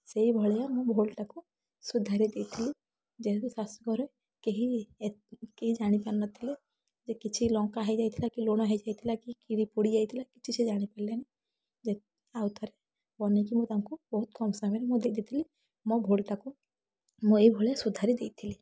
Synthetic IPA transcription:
seibʱɔɭjamɔbʱolʈaku | sud̪ʱaɾid̪et̪ʰːili | d͡ʒekisaskɔɾɔ | keɦi | keɦid͡ʒaɽ̃ipɛɾnɔt̪ʰːile | d͡ʒekit͡ʃʰilɔ̃ŋkaɦɛd͡ʒajt̪ʰilakiloñɔɦɛd͡ʒajt̪ʰilakikiɾipuɽid͡ʒajt̪ʰilakit͡ʃʰit͡ʃʰed͡ʒaɽ̃ipɛɾleni | d͡ʒe | awt̪ʰɔɾe | bɔnekimut̪amkubɔɦut̪̚kɔmsamɛɾmɔd̪ek̚d̪it̪ʰili | mɔbʱolʈaku | mɔeibʱɔɭejasud̪ʱaɾid̪et̪ʰːili

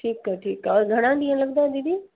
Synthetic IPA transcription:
ʈʰiːkːəʈʰiːkːaɡʱɐɽ̃ãɖĩə̃lɐɡ̚d̪ãːd̪id̪ĩ

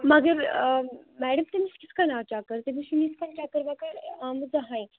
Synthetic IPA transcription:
mɐɡəɾ | mɛɽəmt̪emiskʲit͡skanaʈakəɾt̪emiʃimiskanʈakəɾʋakəɾamd͡zaɦãj

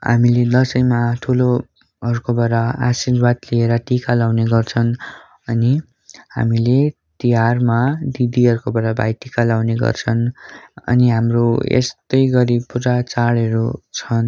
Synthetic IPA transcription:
ɦa̰miled̪ʌsʌjmaʈʰulo | ɦʌɾukobʌɾaasirwat̪lieɾʌʈikalawneɡʌrt͡sʰʌn | ʌni | ha̰mile | t̪iɦarmad̪id̪iɦʌɾukobʌɾabʱa̰jʈikalawneɡʌ̰rt͡sʰʌnʌ̰niɦamroḛst̪ʌjɡʌɾibpuɾat͡saɽʌɾut͡sʰʌn

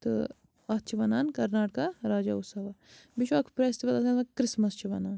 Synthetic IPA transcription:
t̪ɨ̰ | ɐt̪̚t͡ʃʰiʋɐnaːnkɐɾnaːʈ̚kaɾaːd͡ʒa̰ːusɐʋabiʃʋɐkʰpɾeːst̪iʋɐlɐsɐnɐkɾɪsmɐst͡ʃʰiʋɐnaːn

